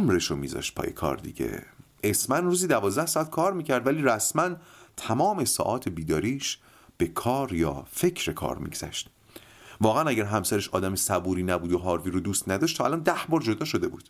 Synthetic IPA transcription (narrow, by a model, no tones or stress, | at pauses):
mɾeʃomḭːzɒ̰ʃt̪̚pʰɒ̰ːjḛkʰɒ̰ɾd̪ḭɟḛʔesmænruːziːd̪ævɒːzd̪æhsɒːæt̪̚kʰɒːɾmiːcʰæɾd̪væliːɾæsmænt̪ʰæmɒːme̞sɒ̰ːʔɒːt̪ʰebiːd̪ɒːɾiːʃ | b̥e̞kʰɒːɾjɒ̰ːfe̞cʰɾe̞kʰɒ̰ːɾmḭːɡz̥æ̰ʃt̪ | vɒːɣeʔænæɟæɾɦæmsæɾeʃɒ̰ːd̪æmesæbuːɾiːnæbuːd̪oɦɒːɾviːɾod̪uːst̪næd̪ɒːʃt̪ʰɒːʔæ̰lɒːnd̪æhbɒːɾd͡ʒo̞d̪ɒːʃod̪e̞buːd̪̥